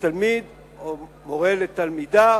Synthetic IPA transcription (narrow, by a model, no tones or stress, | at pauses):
almid̪ | o | moʁelet̪almid̪a